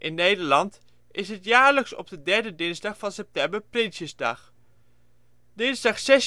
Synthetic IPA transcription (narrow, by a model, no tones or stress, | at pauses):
ʔɪnːejdəɹlɑnt | ʔɪsɦətjaːɹləksɔ̰b̚dədɛɹdədɪnzdɑχfɑnsɛp̚tɛmbəɹprɪnsjəzdɑ̰χ | d̥ɪnzdɑχsɛs